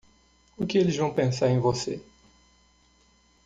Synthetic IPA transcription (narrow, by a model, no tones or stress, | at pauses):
ʊkɪelɪzvɐ̃w̃pẽsaɾẽj̃vose